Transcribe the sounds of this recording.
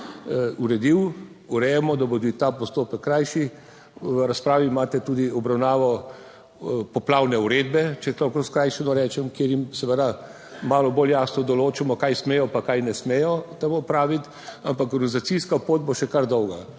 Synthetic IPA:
uɾɛd̪iw | uɾɛjɛmɔd̪abod̪it̪apɔst̪oːpəkːɾajʃi | ʋəɾaspɾaːʋimaːt̪ɛt̪uːd̪iɔbɾawnaːʋɔ | pɔplaːwnɛuɾeːd̪bɛt͡ʃɛslɔwkɔskɾajʃɛnɔɾɛːt͡ʃɛmkeːɾjimsɛʋəd̪a | maːlɔboljaːsnɔd̪ɔloːt͡ʃɛmɔkajsmeːjɔpakajnɛsmɛjɔt̪ɛmopɾaːʋit̪ | ampakɾuzat̪siskapoːd̪̚boʃɛkaɾd̪ɔwɡa

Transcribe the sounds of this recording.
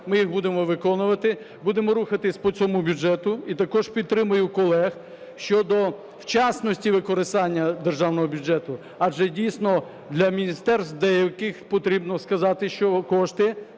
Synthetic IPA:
mɪjiɣbud̪emɔʋɪkɔnʊʋɐt̪ɪ | bud̪emɔɾuxɐt̪ɪsʲpɔt͡sʲɔmubʲud͡ʒɛt̪ʊit̪ɐkɔʒpʲit̪ːɾɪmʊjʊkɔlˠɛx | ʃt͡ʃɔd̪ɔ | wt͡ʃɑsnɔsʲtʲiʋɪkɔɾɪst̪ɑnʲːɐd̪erʒɑwnɔɦɔbʲʊd͡ʒɛt̪ʊ | ɐʒɛdʲijsʲnɔ | d̪lʲɐmʲinʲist̪ɛrst̪d̪ɛjewkɪxpɔt̪ɾʲibnɔskɐzɑt̪ɪʃt͡ʃɔkɔʃt̪ɪ

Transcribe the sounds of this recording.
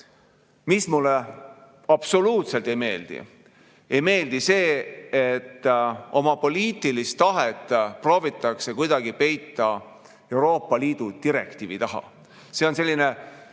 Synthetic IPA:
mismulːe | ɑb̥so̞luːt̪se̞lt̪ˑe̞jme̞̰ːld̪̥ḭ | ejme̞ːld̪̥ise̞ːet̪ːo̞mɑpo̞lʲiːt̪ˑilist̪ːɑɦet̪ːˑpro̞ːvit̪ːˑɑkse̞kujd̪̥ɑɡipe̞jt̪ːˑɑ | e̞wɾo̞ːpˑːɑliːd̪̥ut̪iɾe̞̰kt̪iːvit̪ɑɦɑ̰ | se̞o̞nse̞lːine̞

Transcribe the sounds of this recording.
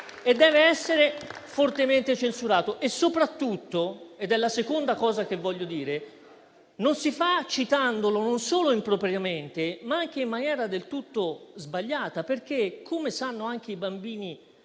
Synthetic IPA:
ed̪ːɛːveɛsːeɾefort̪ement̪et͡ʃensuɾaːt̪oʔesːopɾat̪ːut̪ːoed̪ɛlːasekond̪akɔːzak̟evːɔʎːod̪iːɾe | nonsifat͡ʃːit̪and̪olononsoːloimpɾopɾjament̪emaaŋk̟eimːanjɛːɾad̪elt̪ut̪ːozbaʎːaːt̪aperk̟ekʰːomesanːoaŋk̟eibambiːni

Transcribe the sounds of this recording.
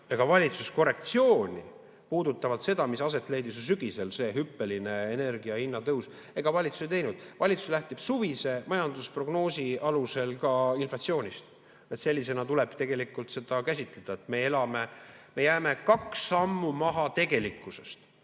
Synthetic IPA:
eɡ̥ɑvɑlʲit̪susko̞re̞k̚t̪sio̞ːnʲḭ | puːd̪ut̪ːˑɑvɑlt̪se̞d̪̥ɑmisɑs̬e̞t̪ːˑle̞jd̪isos̬yɡ̥ise̞lse̞ːɦypːe̞line̞ene̞rɡiɑhinːɑt̪ɤws | e̞ɡ̥ɑvɑlʲit̪su̥sejt̪e̞jnud̪̥vɑlʲit̪su̥slæht̪ib̥suvise̞mɑjɑnd̪uspro̞ɡno̞ːsiɑluse̞lkɑinflɑt̪sio̞ːnʲist̪ | et̪se̞lʲːise̞nɑt̪ule̞b̥t̪e̞ɡ̥e̞likːˑult̪se̞d̪̥ɑkæsʲit̪ˑle̞d̪̥ɑet̪me̞e̞lɑme̞me̞jæːme̞kɑksːɑmːumɑɦɑt̪e̞ɡe̞likːˑuse̞st̪

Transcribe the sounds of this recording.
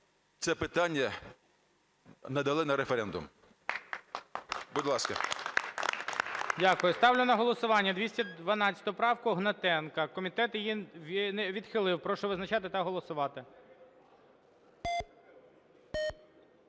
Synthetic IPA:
t̪sɛpɪt̪ɑnʲːɐ | nɐd̪ɐlˠɪnɐɾefeɾɛnd̪ʊ̰m | bʊd̪lˠɑskɐ̰ | dʲakʊjʊst̪ɑwlʲʊnɐɦɔlˠɔsʊʋɑnʲːɐd̪ʲʋʲisʲtʲɐdd̪ʋɐnɑt͡st͡sʲɐ̥t̪ʊpɾɑwkʊɦnɐt̪ɛnkɐkɔmʲit̪ɛt̪jjinʋʲid̪xɪlˠɪwpɾɔʃɔʋɪznɐt͡ʃɑt̪ɪt̪ɐɦɔlˠɔsʊʋɑt̪ɪ

